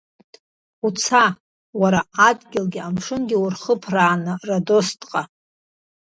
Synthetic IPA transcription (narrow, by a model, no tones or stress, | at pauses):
ut͡sʰa | waɾaːdɡʲɪlɡʲiamʂɨnɡʲɪwʊrχəpʰraːnɨrado̞stʼqʼa